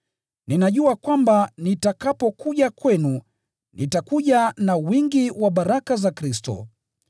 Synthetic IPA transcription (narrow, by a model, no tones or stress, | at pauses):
ninaʄuakwambanitakapɔkuʄakwɛnu | nitakuʄanawiŋɡiwaɓaɾakazakɾistɔ̰